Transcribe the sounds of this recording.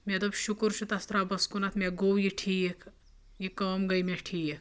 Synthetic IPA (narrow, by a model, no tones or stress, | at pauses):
med̪ɐbʃukɾt͡ʃʰut̪ɐst̪ɾaːbɐskunat̪ʰmʲeɡowjiʈʰiːjek | jikɐmɡɐjmʲeʈʰiːjek